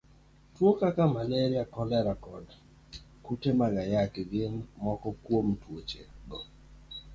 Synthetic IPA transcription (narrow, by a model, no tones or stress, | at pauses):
twokakamaleɾiakɔlɛɾakɔd | kutemaɡajakɡɪnmɔkɔkwomtwot͡ʃeɡɔ